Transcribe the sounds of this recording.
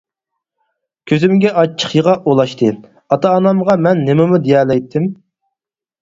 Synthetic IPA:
kʲʰøzɪmɡʲɛʔɑt͡ʃʰːə̥χjəʁɑʔolˠɑʃt̪ʰɨ | ɑt̪ʰɑːnɑmʁɑmɛnːɪmɪmud̪ejɛːlɛjt̪ʰːɪm

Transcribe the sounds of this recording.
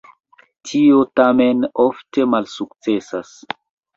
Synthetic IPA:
tʰiotamenofte̞malsuk̚t͡se̞sas

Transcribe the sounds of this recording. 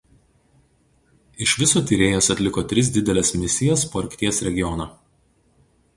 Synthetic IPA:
ɪʃʲʋʲɪsoːt̪ʲiːɾʲeːjoːsɐt̪ʲlʲɪkoːt̪ʲɾʲɪs̬d̪ʲɪd̪ʲɛlʲeːsmʲɪnʲɪsʲɪjɛspoːɐɾʲkʲt̪ʲiɛsɾʲɛɡʲɪjɔnɑː

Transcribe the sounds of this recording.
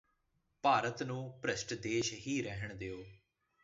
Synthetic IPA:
paːɾət̪nũːpɾəʃʈd̪eːʃɦiːɾɛɦəɳ̃d̪eːoː

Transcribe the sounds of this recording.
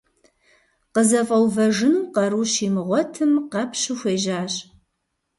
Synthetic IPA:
qəzɐfʼɐwvɐʒɨnuqɐɾuːʃiːmɨʁʷɔtʰɨmqɐpʰɕɨxʷeːʒaːɕʼ

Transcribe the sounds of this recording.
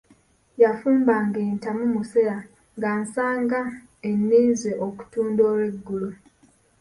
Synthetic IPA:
jafuːmbaŋɡeːntamumuseɾa | ŋɡaːnsaːŋɡa | enːiːnzeʔoku̥tuːndoːɾweɡːulu

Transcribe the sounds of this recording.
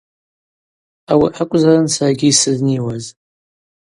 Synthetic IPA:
æwiħakʷːzaɾˤansʕɡisəðniwæz

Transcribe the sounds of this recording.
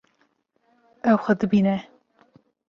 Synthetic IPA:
ɛwxɐd̪ɨbiːnɛ

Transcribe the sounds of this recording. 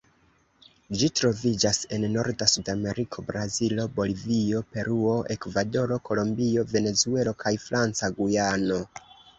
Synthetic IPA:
d͡ʒitɾo̞vid͡ʒase̞nːo̞ɾdasudame̞ɾikʰo̞bɾazilo̞bo̞livio̞pe̞ɾuo̞ʔe̞kvado̞ɾo̞kʰo̞lo̞mbio̞ve̞ne̞zue̞lo̞kʰajfɾant͡saɡujano̞

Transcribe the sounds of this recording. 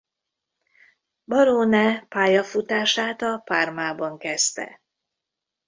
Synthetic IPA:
bɒɾoːnɛpaːjɒfut̪aːʃaːt̪ɒpaːrmaːbɒŋkɛst̪ɛ̰

